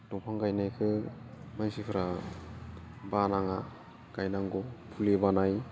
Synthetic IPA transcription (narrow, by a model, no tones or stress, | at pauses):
duŋpʰaŋɡajnajkʰɯmajsipʰɯɾa | banaŋa | ɡ̥ajnaŋɡɔpʰulebanaj